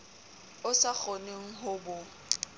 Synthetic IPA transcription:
ʊsak͡xʰɔneŋ̩ɦʊbʊ

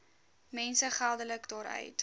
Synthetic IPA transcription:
mɛnsəχælˠdələkdɑːɾœ̰ɥt

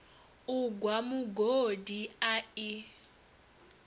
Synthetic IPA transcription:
uɡʱwamuɡodiai

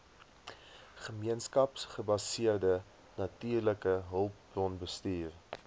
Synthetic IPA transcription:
χəmiənskɐpsχəbɐsiərdə | nɐtyːrləkəɦəlˠp̚brɔnbəstiːr

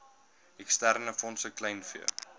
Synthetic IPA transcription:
ɛkstærnəfɔnsəklɛjnfiə̰

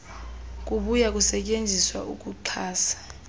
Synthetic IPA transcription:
k̬ʼuɓujak̬ʼusɛcʼend͡zʱiswa̰ʔuk̬ʼuǃʰaːsḁ

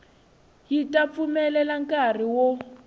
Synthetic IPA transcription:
jitʼap̪fumɛlɛlaŋkʼar̤iwo

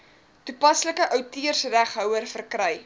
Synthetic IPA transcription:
tupɐsləkəʔəwtiərsræχɦœwərfərkrœj

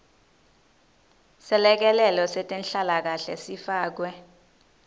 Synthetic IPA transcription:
sɛlɛk̬ɛlɛlɔsɛtʼenɬalak̬aɬɛsifaːk̬wɛ

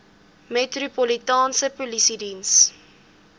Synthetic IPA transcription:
metrupolitɑːnsəpolisidins

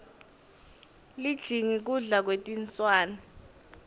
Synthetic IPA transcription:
lid̥ʒ̥ʱiŋik̬uɮak̬wetʼint͡sʼwaːna

